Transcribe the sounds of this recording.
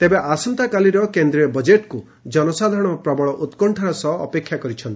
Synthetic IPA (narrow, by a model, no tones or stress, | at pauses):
t̪ebeʔasɔnt̪akaliɾɔkend̪ɾiɔbɔd͡ʒeʈkuid͡ʒɔnɔsad̪ʱɾɔɽ̃ɔpɾɔbɔɭɔʔut̪kɔɳʈʰaɾasɔɦːpekʰjakɔɾit͡ʃʰɔnt̪i